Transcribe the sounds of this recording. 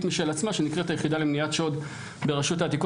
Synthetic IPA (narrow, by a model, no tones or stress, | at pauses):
t̪miʃelat͡smaʃe̞nikʁet̪ajeχid̪alemnijatʃo̞d̪ | be̞ʁaʃutaːt̪ik